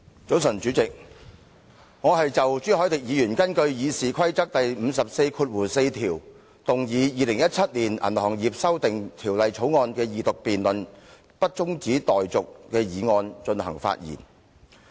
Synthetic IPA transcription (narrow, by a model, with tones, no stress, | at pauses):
t͡so˨˥wsɐ˨˩nt͡ʃyː˨˥t͡sɪ˨k̚ | ŋɔː˨˧ɦɐ˨jt͡sɐ˨wt͡syː˥hɔː˨˥jt̪ɪ˨k̚jiː˨˧jyː˨˩nkɐ˥nkɵ˧ɥjiː˨˧siː˨kʰɐ˥jt͡sɐ˥k̚t̪ɐ˨jm̩ː˨˧sɐ˨p̚se˧jkʰuː˧t̚wuː˨˩se˧jt̪ʰiː˨˩w | t̪ʊ˨ŋjiː˨˧jiː˨˧lɪ˨˩ŋjɐ˥t̚t͡sʰɐ˥t̚liː˨˩nɐ̰˨˩nhɔː˨˩ŋjiː˨p̚sɐ˥wt̪ɪ˨ŋt̪ʰiː˨˩wlɐ˨jt͡sʰo˨˥wŋɔː˧nkɛː˧jiː˨t̪ʊ˨k̚piː˨nlɵ˨n | pɐ˥t̚t͡sʊ˥ŋt͡siː˨˥t̪ɔː˨jt͡sʊ˨k̚kɛː˧jiː˨˧ŋɔː˧nt͡ʃɵ˧nhɐ̰˨˩ŋfa̰˧t̚jḭː˨˩n